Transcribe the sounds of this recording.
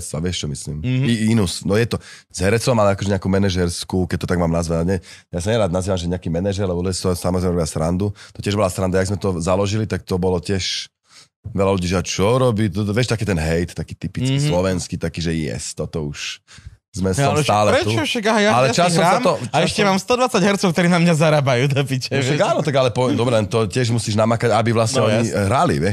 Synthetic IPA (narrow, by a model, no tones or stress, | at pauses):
t͡saʋɪɛʃt͡ʃɔmislḭmiinusnɔjɛt̪ɔ | z̥ɦɛɾɛt͡sɔmalɛakɔʒɛɲɛakuːmɛnɛʒɛɾskukɛc̚t̪ɔt̪aɡmaːmnazʋaɲɛ | jasaɲɛɾaːd̪naziːʋamʒɛɲɛakiːmɛnɛʒɛɾlɛbɔlɔɛsɔsamɔzɾɛɪmɛɾɔbɪasɾand̪ut̪ɔ̥cɪɛʒbɔlasɾand̪ajaɡzmɛt̪ɔzalɔʒilit̪ak̚t̪ɔbɔlɔcɪɛʃ | ʋɛlaluɟiːʒɛat͡ʃɔɾɔbiːt̪ɔt̪ʋɪɛʃt̪akɛːt̪ɛnɦɛjt̪t̪ːakiːt̪ipit͡skislɔʋɛnskiːt̪akiːʒɛjɛ̰st̪ɔt̪ɔuʃ | zmɛst̪aːlɛɛt̪ut͡ʃʃakaɦajaalɛt͡ʃasɔsaamt̪ɔt͡ʃaɛʃɛmaːmst̪ɔd̪ʋat͡saɟɦɛɾt͡sɔʊkt̪ɔɾiːnamɲazaɾabajuːt̪apicɛʃaɡaːnɔt̪aɡalɛpɔd̪ɔbɾɛlɛnt̪ɔcɪɛʒmusiːʒnamakaɟabiʋlasɛɔɲiɦɾalḭʋɪɛʃ